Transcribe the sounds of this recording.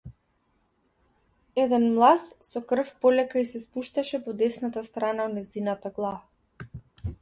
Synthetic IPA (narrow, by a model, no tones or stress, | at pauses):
ɛd̪ɛnmlˠassɔkr̩fpɔlɛkaisɛspuʃt̪aʃɛpɔd̪ɛsnat̪ast̪ɾanaɔnɛzinat̪aɡlˠa